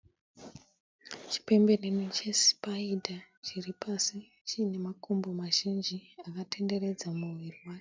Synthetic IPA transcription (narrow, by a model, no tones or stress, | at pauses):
t͡ʃi̥pe̞mbe̞renit͡ʃe̞spaidʱat͡ʃiripasi | t͡ʃiːne̞makombomaʒind͡ʒiakatʰe̞nde̞re̞d͡zamuwiriwaːke